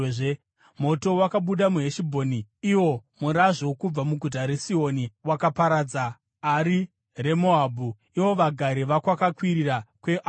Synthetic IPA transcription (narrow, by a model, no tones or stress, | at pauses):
mo̞to̞wakaɓuɗamuɦe̞ʃibʱo̞niiwo̞muɾaʐo̞kub͡vamuɡʱut̬aɾe̞sio̞niwakapaɾaːd͡za | aɾi | re̞mo̞abʱu | iʋo̞ʋaɡʱaɾiʋakwakakwiɾirakweʔ